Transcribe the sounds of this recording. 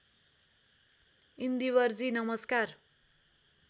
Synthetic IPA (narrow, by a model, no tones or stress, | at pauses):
ind̪iwʌrd͡zinʌmʌskar